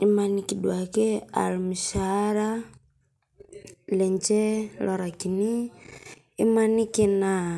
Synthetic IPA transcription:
i˦ma˧niki˨dwa˨kɛ˦a̰˨lmi˨ʃaɾa | lɛ˨ɲt͡ʃɛ˦lɔ˨ɾa˨kini˦ | i˦mani˦kina

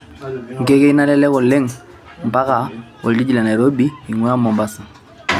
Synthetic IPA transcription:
ŋ̩˨ke˦ke˦i˦na˦lɛ˦lɛ˦kɔ˨lːe˦ŋ | m˨ba˦ka˨wo̰˨ldi˦d͡ʒi˨la˨na˨ɾo˦bi˦i˨ŋwa˦mɔ˨mba˨sa˨

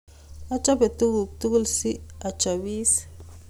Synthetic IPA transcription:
a˦t͡ʃa˦be˨t̪u˦ɡu˨k̚t̪u˦ɡu˦lsi˦a˨t͡ʃa˨wi˦s

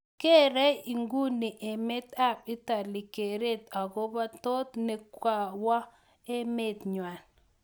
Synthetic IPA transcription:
ke˦ɾɛ˦i˨ŋɡu˦ni˨ʔe˨me˦t̪a˦˨p̚ɪ˦ta˨lɪ˨ke˨ɾe˦˨t̪a˨ɡo˦ba˦to˦t̪ne˨kwa˨wa˦ | e˦me˦t̪ɲwa˨n

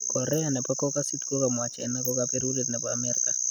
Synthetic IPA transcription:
kɔɾɛ˦anɛ˨pa˦kɔka˦si˦tko˦ka˨mwa˨t͡ʃɛːnɛ˦kɔkapeɾu˦le˦t̪nɛ˨paa˨mɛɾka

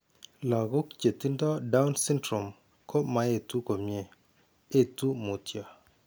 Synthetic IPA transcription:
lɔ˨ɡo˦kt͡ʃe˨t̪i˦ndɔ˦da˦wnsɪ˦ntɾɔ˨m | kʰo˦ma˨e˨t̪u˦ko˨mje˦ | e˦˨t̪u˦mo˨tjɔ˨

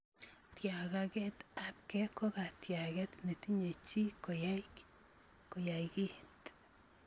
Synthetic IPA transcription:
t̪ja˨ɡa˧ɡe˦t̪a˨p̚ke˦ko˦ɡa˨t̪ja˨ɡe˦t̪ni˨t̪i˦ɲe˨t͡ʃi˦ko˨ja˦jk | ko˨ja˨jɡi˦t̪

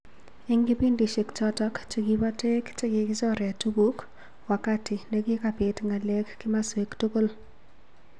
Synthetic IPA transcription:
ɪ˦ŋɡi˦pi˦ndi˨ʃe˨kt͡ʃɔtɔ˦kt͡ʃe˨kibɔ˦te˦kt͡ʃe˦kɪ˨kɪ˦t͡ʃɔ˦ɾɛa˨tu˦bu˦k | wa˨ka˦tɪ˨ne˦kɪ˦ka˨pɪ˨tŋa˨le˦kːi˦ma˦swe˨ktu˦ko˦l

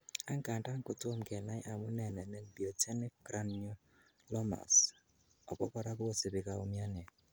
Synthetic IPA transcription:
a˦ŋ˦ka˨nta˦ŋ̩˦ko˦two˦m˨kɛ˨na˦jʔa˨mʊ˦nɛ˨nɛ˨nɛ˦bi˨ɔ˨tɛ˦nɪ˦kɾa˦nɲʊ˦ | lɔ˦ma̰˨s | ɔ˨kɔ˦kɔ˦ɾa˦bʊ˦o˦sɪ˨bɪ˨ka˨o˨mja˦nɛ˨

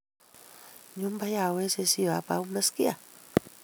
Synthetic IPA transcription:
jo˦mba˦ja˨we˦se˧si˧a˨˦pa˧u˦me˦ski˦a˨

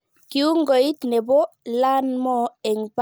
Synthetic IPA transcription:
ki˦u˦ŋɡo˨i˦t̪ne˨bo˦la˦nmɔ˦˨ɛ˨ŋp

